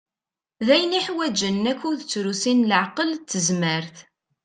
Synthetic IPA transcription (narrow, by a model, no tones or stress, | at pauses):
ðæjniħwæd͡ʒənːækːuðt͡sːɾusinləʕqəlt͡s̪ːəzməɾθ